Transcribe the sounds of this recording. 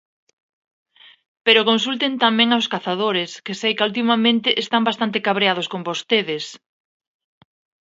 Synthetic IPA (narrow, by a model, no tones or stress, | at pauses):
peɾokonsult̪ent̪amɛ̃ŋawskaθaðoɾɪskɪsejkult̪̬imamẽnt̪ɪʔest̪ambast̪ant̪ɪkaβɾeað̞oskombost̪eðɪs